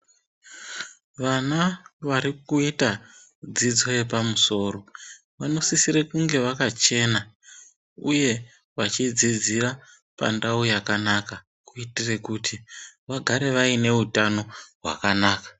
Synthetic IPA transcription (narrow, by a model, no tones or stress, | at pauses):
ʋanaʋaɾikuita | d͡zid͡zo̞je̞pamuso̞ːɾo̞ | ʋano̞sisiɾekuŋɡe̞ʋakat͡ʃe̞ːna | uje̞ | ʋat͡ʃid͡zid͡zira | pa̰ndaujakanaka | kuitire̞kutʰiʋaɡʱaɾe̞ʋaine̞utano̞ɦwa̰kanaːkḁ